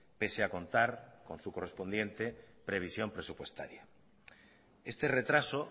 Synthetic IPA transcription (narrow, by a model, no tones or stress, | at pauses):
peseakõ̞nt̪aɾkõ̞nsuko̞respo̞nd̪jẽ̞nt̪epɾeβ̞isjo̞mpɾesupwe̞st̪a̰ɾja | est̪eret̪ɾaso